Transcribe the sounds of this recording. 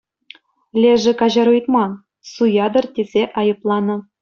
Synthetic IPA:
lʲeʐɘ̆kɑʑɑɾujt̪mɑn | sujɑd̪ɤ̆rtʲezʲeʔɑjɤ̆plˠɑnɤ̆

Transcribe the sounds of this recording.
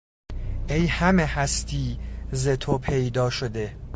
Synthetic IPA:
ʔejhæmehæst̪ʰiːzet̪ʰopʰejd̪ɒːʃod̪e

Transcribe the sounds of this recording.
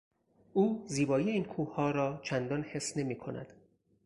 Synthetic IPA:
uːziːbɒːjijeiːnkʰuːhɒːɾɒːt͡ʃʰænd̪ɒːnhe̞sne̞miːkʰo̞næ̰d̪̥

